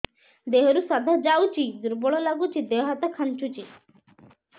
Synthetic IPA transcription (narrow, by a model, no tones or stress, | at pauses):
d̪eɦɔɾusɔd̪ʱad͡ʒawt͡ʃʰid̪uɾbɔɭɔlaɡut͡ʃʰid̪eɦat̪ɔkʰant͡ʃut͡ʃi